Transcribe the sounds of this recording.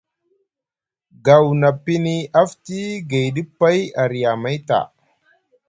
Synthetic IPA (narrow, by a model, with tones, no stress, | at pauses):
ɡa˨wna˨pi˦ni˨a˦fti˦ɡa˨jɗi˦pːa˦ja˨ɾi˨ja˨ma˦jta̰˨